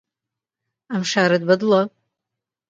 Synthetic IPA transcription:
amʂaːɾɨd̪bɐd̪la

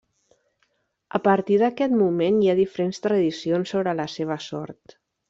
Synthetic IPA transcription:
əpəɾt̪iðəkɛt̪mumenjaðifəɾenst̪ɾəðisionsːoβɾələseβ̞əsɔ̰ɾt̪

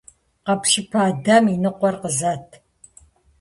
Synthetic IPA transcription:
qɐpʃɪpʰaːdɐminɨqʷɔrqəzɐtʰ

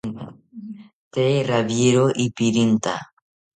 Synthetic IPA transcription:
t̪eraβjeɾoʔipiɾint̪a̰

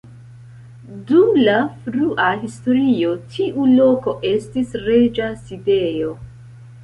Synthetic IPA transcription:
dumlafɾuʔaɦisto̞ɾio̞tʰiʔulo̞ko̞ʔe̞stisɾe̞d͡ʒaside̞jo̞

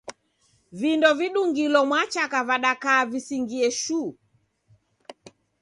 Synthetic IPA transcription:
vindɔviɗuŋɡilɔmwat͡ʃakavaɗakaːvisiŋɡiɛʃu

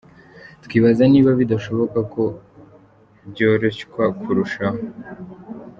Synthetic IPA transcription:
t̪kiβazaniːβaβidaʃo̞βo̞kako̞ | bɟo̞ːɾe̞ʃkwakʰuɾuʃaɦo

